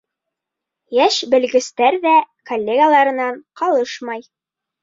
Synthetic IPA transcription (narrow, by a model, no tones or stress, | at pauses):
jæʃbɘ̆lɡɘ̆st̪æɾðækolʲːeɡalˠɑɾɤ̆nɑɴqɑlˠɤʃmɑj